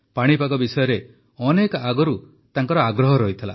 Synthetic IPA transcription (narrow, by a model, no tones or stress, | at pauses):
paɽ̃ipakɔbisɔjɔɾe | ɔnekaɡɔɾu | t̪aŋkɔɾɔaɡɾɔɦɔɾɔɦit̪ʰila̰